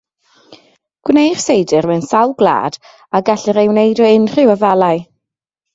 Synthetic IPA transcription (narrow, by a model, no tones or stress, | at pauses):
ɡ̥wnejr̥sejdɨrmɛnsalˠɡlˠa̰ːd̥ | aɡaɬɨɾejwnejdɔɪnr̥ɪwəvalˠaɨ